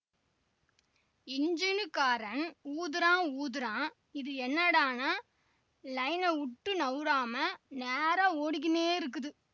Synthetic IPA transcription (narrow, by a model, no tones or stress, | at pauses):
ɪnd͡ʒɪnkaːɾɐnuːðɯɾãːuːðɯɾãː | ɪðɯɛnːɐɽaːnaː | lɐɪnɐʊʈːɯnɐʋɾaːmɐneːɾaoːɽɪk̬ːɪneːɪɾɯk̬ːɯðɯ